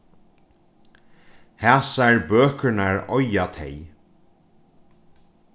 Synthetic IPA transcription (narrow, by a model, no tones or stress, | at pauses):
hæːsaɛɹbøːkənaɹɔjat̪ʰḛj